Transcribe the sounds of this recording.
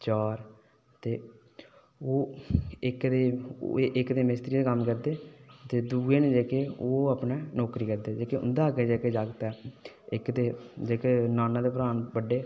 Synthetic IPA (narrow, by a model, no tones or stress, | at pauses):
t͡ʃaːɾ | t̪eː | oːɪkd̪eːʔɪkd̪eːmɪst̪ɾiːd̪eːkəmkəɾd̪eːt̪eːd̪uːeːneːd͡ʒeːkeːoːapneːnɔːkɾiːkəɾd̪eːd͡ʒeːkeʊ̰nd̪aːkeːd͡ʒeːkeːd͡ʒaːɡt̪ɛː | ɪkd̪eːd͡ʒeːkeːnaːnãːd̪eːpəɾaːnbəɖeː